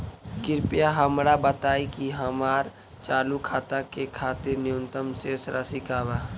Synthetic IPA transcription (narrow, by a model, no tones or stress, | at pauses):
kɪɾpjaɦəmɾabət̪aːikiɦəmaːɾ | t͡ʃaːlukʰaːt̪akekʰaːt̪ɪɾnɪjʊnt̪əmsesɾʔasɪkʰaːʋa